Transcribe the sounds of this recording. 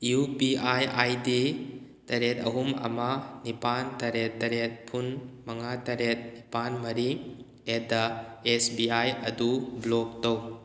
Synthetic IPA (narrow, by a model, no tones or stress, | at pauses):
jupiʔajʔajdi | tɐɾet̪ɐ̰ɦumɐ̰manipantɐɾetːɐɾet̪̚pʰunmɐŋatɐɾet̪̚nipanmɐɾi | edaesbiajɐdublɔk̚tow